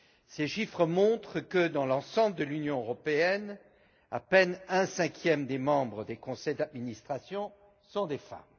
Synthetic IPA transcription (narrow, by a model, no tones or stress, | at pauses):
seʃifχəmɔ̃t̪χəkəd̪ɑ̃lɑ̃sɑ̃bləd̪əlynjɔ̃øʁɔpeɛn | a̰pɛnɛ̃sɛ̃kʲʰjɛmd̪emɑ̃bʁəd̪ekɔ̃sɛjd̪ad̪minist̪χasjɔ̃ | sɔ̃d̪efa̰m